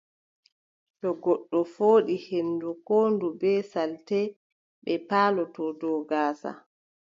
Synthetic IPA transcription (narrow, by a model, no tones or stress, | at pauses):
tɔɡɔɗːɔfoːɗihenːdukoːndubɛsaltɛ | ɓɛpaːlɔtɔdɔːɡaːsa̰